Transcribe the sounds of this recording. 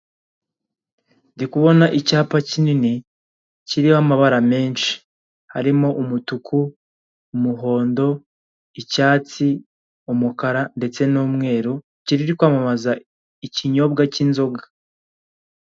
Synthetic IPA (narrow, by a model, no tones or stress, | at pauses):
ndikuβo̞naʔicaːpacinini | ciɾihamaβaɾame̞ːnʃi̥ | haɾimo̞ʔumutukʰuː | muɦo̞ːndo̞ | icaːt͡si | umukaɾande̞t͡se̞noːmŋe̞ːɾu | ciɾiɾikwaːmamaza | iciɲo̞b̚ɡacinzo̞ɡḁ